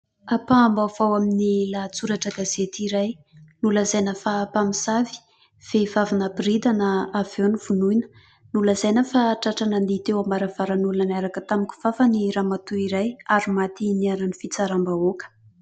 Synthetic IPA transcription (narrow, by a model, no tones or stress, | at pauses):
apambav̥awaminilat͡suɾaʈ͡ʂəɡazet̪iɾaj | nuləzajnəfapamisavi̥ | v̥evavanabrid̪anəavewnivunujnə̥ | nuləzajnəfaʈ͡ʂaʈ͡ʂananit̪ewambaɾav̥aɾanulanaɾakət̪amikʲu̥v̥afəniɾamat̪uiɾajaɾimat̪iniaɾanifit͡saɾambaokə̥